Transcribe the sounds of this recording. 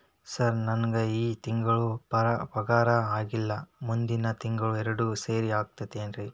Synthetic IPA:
sɐɾnɐnɡɐiːt̪iŋɡɐɭupɐɾɐpɐɡaːɾɐaːɡilːɐmund̪inɐt̪iŋɡɐɭuɛɾɐɽuseːɾiaːɡ̚t̪ɐd̪eːnɾi

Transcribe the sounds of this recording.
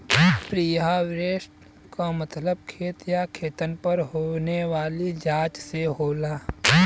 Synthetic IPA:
pɾijɦaʋɾeːʃʈ | kamət̪ləb̚kʰeːt̪jakʰeːt̪ənpəɾɦoneʋaːlid͡ʒaːt͡ʃseɦoːlaː

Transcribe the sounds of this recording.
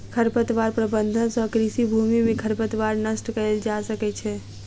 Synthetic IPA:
kʰəɾpət̪ʋaːɾpɾəbə̃nd̪ʱənsɔkɾisibʱuːmimẽkʰəɾpət̪ʋaːɾnəsʈkəeld͡ʒaːsəkɛt͡ʃʰɛː

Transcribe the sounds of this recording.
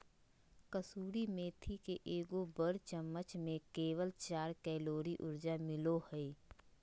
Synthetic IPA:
kəsuːɾimẽːt̪ʰikeʔeːɡobəɾt͡ʃəmːət͡ʃmẽkeːwəlt͡ʃaːɾkɛːloːɾiʔʊɾd͡ʒamɪlohɛe

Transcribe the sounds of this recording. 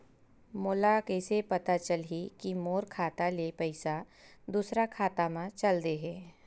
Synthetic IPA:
moːlakɛːsepɐt̪at͡ʃəlɦikimoːɾkʰaːt̪alepɛɪsad̪uːsɾakʰaːt̪amãt͡ʃɐld̪eɦɛː

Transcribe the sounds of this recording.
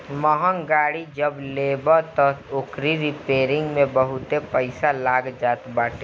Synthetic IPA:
məɦəŋɡaːɽid͡ʒəbleːbəɾt̪ɔokɾiɾipeːɾɪ̃ŋɡmẽbəɦʊt̪epəɪsalaːɡd͡ʒaːt̪baːʈe

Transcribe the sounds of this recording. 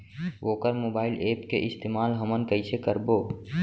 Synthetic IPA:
ʋoːkəɾmoːbaːɪlʔeːpkeʔɪst̪eːmaːlɦəmənkəisekəɾboː

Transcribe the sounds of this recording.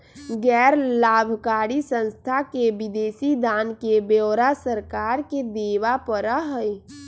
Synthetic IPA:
ɡɛːɾlaːbʱkaːɽisə̃nst̪ʰakeʋid̪eːsid̪aːnkebeːɾasəɾkaːɾked̪eːʋapəɾaɦəj

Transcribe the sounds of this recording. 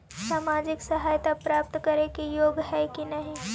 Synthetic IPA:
saːmaːd͡ʒɪksɐɦaːjt̪apɾaːp̚t̪kɐɾekijoːɡɦɛkinɐɦĩ

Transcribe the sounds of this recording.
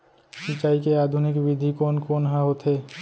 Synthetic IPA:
ʃit͡ʃajkead̪ʱunikbid̪ʱikonkonɦaɦot̪ʰe

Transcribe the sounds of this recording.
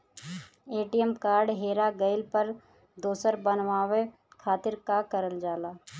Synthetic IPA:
eːʈijəmkaːɾɖɦeːɾaɡəɪlpəɾ | d̪oːsəɾbənʋaːʋe | kʰaːt̪ɪɾkakəɾəld͡ʒaːlaː

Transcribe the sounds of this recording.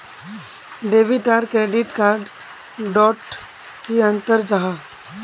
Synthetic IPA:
ɖeːʋiʈaːɾɖkɾeːɖɪʈkaːɾɖ | ɖɔːʈ | kiɐ̃nt̪əɾd͡ʒaɦa

